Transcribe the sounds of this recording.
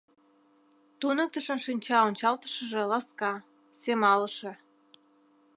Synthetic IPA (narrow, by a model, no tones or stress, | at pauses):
t̪unə̆k̚t̪əʃənʃinʲt͡ɕɑonʲt͡ɕɑlt̪ə̥ʃə̆ʒĕlɑskɑ | semɑləʃe